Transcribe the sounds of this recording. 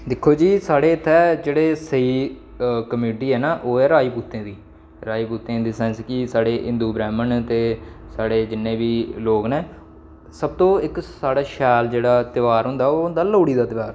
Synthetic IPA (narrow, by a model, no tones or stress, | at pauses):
d̪ɪkʰːoːd͡ʒiːsaːɽeːɪt̪ʰːɛːd͡ʒeːɽeːsəiː | kəmuːʈiːɦɛːnaːʔoːɛːɾaːiːpuːt̪ːẽːd̪iː | ɾaːiːpuːt̪ẽːd̪iːsɛːnskisaːɽeːʔɪ̃nd̪uːbɾɛːmənt̪eːsaːɽeːd͡ʒɪnːẽːʋiːloːɡnẽː | səb̚t̪õːɪksaːɽaːʃɛːld͡ʒeːɽaːt̪ɪʋaːɾɦʊ̃nd̪aːoːnd̪aːloːɽiːd̪aːt̪ɪʋaːɾ